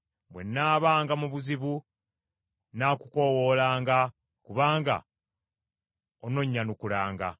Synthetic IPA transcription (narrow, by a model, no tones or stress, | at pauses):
bwe̞nːaːβaːŋɡamuβuziβu | nakuko̞wo̞ːlaːŋɡa | kuβaːŋɡa̰ | ono̞ɲːanukulaːŋɡa̰